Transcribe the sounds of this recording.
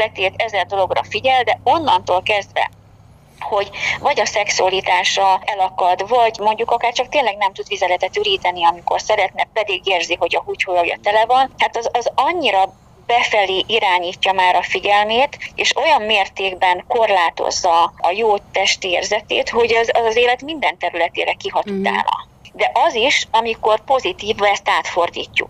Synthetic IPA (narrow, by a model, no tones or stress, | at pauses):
lɛt̪eːt̪ɛzɛld̪o̞lo̞ɡrɒ̰fiɟɛld̪ɛo̞nːɒnt̪oːlkɛzd̪vɛ̰ | ho̞ɟvɒɟɒsɛksuɒlit̪aːʃɒɛlɒkɒd̪vɒɟmo̞ɲɟukɒkaːrt͡ʃɒk̚t̪eːnlɛɡnɛmt̪ud̪ʋizɛlɛt̪ɛt̪yɾiːt̪ɛniɒmiko̞̰rsɛɾɛt̪nɛpɛd̪iɡeːrziho̞ɟɒhuchojɒoɟɒ̰t̪ɛlɛvɒnhaːt̪ɒzɒzɒɲːiɾɒ | b̥ɛfɛliːʔiɾaːɲiːcːɒmaːɾɒfiɟɛlmeːt̪ḛːʃo̞jɒmmeːrt̪eːɡbɛŋko̞rlaːt̪o̰zːɒɒjoːt̪ɛʃt̪ieːrzɛt̪ḛːt̪ho̞ɟɛzɒzɒzeːlɛt̪mind̪ɛnt̪ɛɾylɛt̪ḛːɾɛkiɦɒt̪ut̪a̰ːnɒ̰ | d̪ɛʔɒziʃɒmiko̞rpo̞zit̪iːvɛst̪aːt̪fo̞rd̪ḭːcːṵk